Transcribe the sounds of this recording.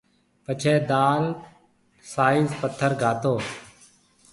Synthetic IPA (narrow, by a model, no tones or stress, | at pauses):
pət͡ʃʰeːd̪aːl | saːizpət̪ʰːəɾɡʱaːt̪oː